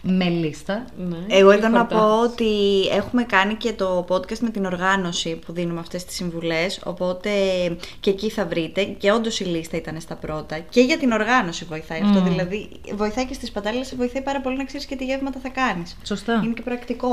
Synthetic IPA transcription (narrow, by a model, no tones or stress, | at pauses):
melist̪ɐneeɣo̞eðo̞nnɐpo̞ot̪ie̞xume̞kɐnice̞t̪o̞po̞d̪kɐst̪me̞t̪ino̞ɾɣɐno̞sipuðinumeɐft̪e̞st̪i̥siɱvule̞so̞̰po̞t̪e̞ce̞ciθɐvɾit̪e̞ce̞o̞nd̪o̞silist̪ɐit̪ɐne̞st̪ɐpɾo̞t̪ɐce̞ʝɐt̪ino̞ɾɣɐno̞sivo̞iθɐiɐft̪o̞ðilɐði | vo̞iθɐicest̪ispɐt̪ɐlilesvoiθɐipɐɾɐpo̞linɐkseɾisce̞t̪iʝevmɐt̪ɐθɐkɐnissost̪ɐinecepɾɐkt̪iko̞